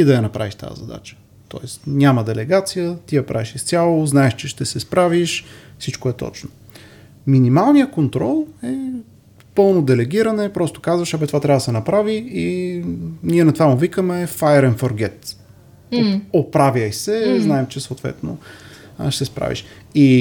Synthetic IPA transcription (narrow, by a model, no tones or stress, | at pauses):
id̪ɐjɐnɐpɾa̰viʃt̪a̰zɐ̰d̪a̰t͡ʃə̥ | t̪ɔ̰ɛst̪nʲamɐd̪ɛlɛɡat̪sijət̪ijɐpɾa̰viʃist̪sʲjalˠoznaɛʃt͡ʃɛʃt̪ɛsɛspɾaviʃfsit͡ʃkoɛt̪ɔ̰t͡ʃno̥ | minimalˠnijəkont̪ɾɔlˠɛ | pɤlˠnod̪ɛlɛɡ̟iɾɐnɛpɾɔst̪o̥kazvɐʃɐbɛt̪ovat̪ɾʲavəd̪sɛnɐpɾavii | niɛnɐt̪ovamovikəmɛfaɛɾɛnfoɾɡɛt̪ | opɾavjəjsɛznaɛmt͡ʃɛsoːt̪vɛ̰t̪no̰ | ʃt̪ɛspɾa̰vḭʃ | i